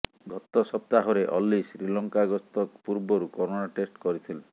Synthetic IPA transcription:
ɡʱɔt̪ɔsɔp̚t̪aɦɔɾeʔɔlːisɾilɔŋkaɡɔst̪ɔkpuɾbɔɾukɔɾonaʈesʈkɔɾit̪ʰile

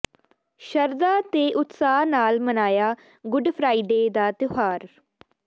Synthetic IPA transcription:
ʃəɾd̪aːt̪eːʔʊt̪saːnaːlmənaːjaː | ɡʊɖpʰɾaːiːɖeːd̪aːt̪ʊɦaːɾ

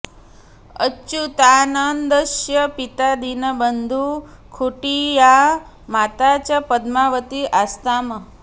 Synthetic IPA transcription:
ə̰t͡ʃut̪anənd̪əʃjəpit̪ad̪inəbənd̪ʱu | kʰuʈija | mat̪at͡ʃəpəd̪maʋət̪iʔast̪amə

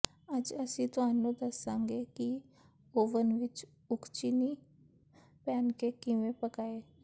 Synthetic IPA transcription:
əd͡ʒəsĩːt̪ʊaːnũːd̪əsãːŋɡeːkɪ | oːʋənʋɪt͡ʃ | ʊkt͡ʃiːniː | pɛːnkeːkɪʋẽːpəkaːeː

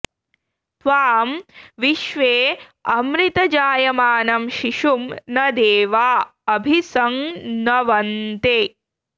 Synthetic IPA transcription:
t̪ʋaːmʋiʃʋeːɐmɾit̪ɐd͡ʒaːjɐmaːnɐmʃiʃumnɐd̪eːʋaːɐbʱisɐŋnɐʋɐnt̪e

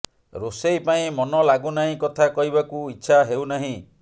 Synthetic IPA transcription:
ɾosejpaĩmɔnɔlaɡunaɦĩkɔt̪ʰakɔɦibakuitːʃʰaɦewnaɦĩ

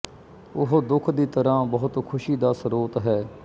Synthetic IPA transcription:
ʊɦod̪ʊkʰd̪iːt̪əɾãːbəɦʊt̪kʰʊʃiːd̪aːsəɾoːt̪ɦɛː

